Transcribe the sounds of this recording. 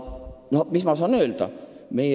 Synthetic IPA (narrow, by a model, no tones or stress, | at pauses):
nomismɑs̬ɑːnøːld̪̥ɑ̰me̞j